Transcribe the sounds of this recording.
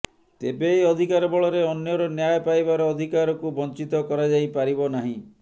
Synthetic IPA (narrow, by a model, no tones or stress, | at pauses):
t̪ebeːjɔd̪ʱikaɾɔbɔɭɔɾeɔnjɔɾɔnjajpajbaɾɔːd̪ʱikaɾɔkubɔnt͡ʃit̪ɔkɔɾad͡ʒajpaɾibɔnaɦĩ